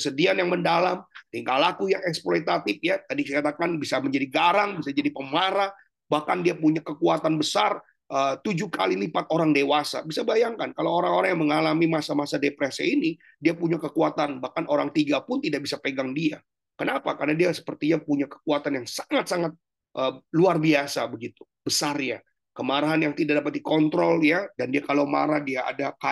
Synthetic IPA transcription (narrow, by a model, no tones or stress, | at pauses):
kəsədianjaŋməndalamiŋkalakujaŋɛksploit̪at̪ɪfjat̪adikɛkat̪akanbisaməɲd͡ʒadiɡaɾaŋbisad͡ʒadipəmaɾa | bahkandiapuɲakəkuat̪anbəsar | ʔət̪ud͡ʒuhka̰lilimpat̪oɾaŋdewasa̰bisabajaŋkankalowoɾaŋoɾaŋjaŋməŋalamimasamasadepɾɛsḭini | diapuɲakəkuat̪anbahkanoɾaŋt̪iɡapʊnt̪idaʔ̚bisapəɡaŋdia | kənapakarnadiasə̥pərt̪iɲapuɲakə̥kuat̪anjaŋsaŋat̪̚saŋat̪̚ | ʔəluarbiasabəɡit̪u̥ | b̥əsarɲa̰ | kəmaɾaɦanjaŋt̪idaʔdapat̪̚dikɔnt̪ɾɔljadandiakalawma̰ɾahdiaa̰daka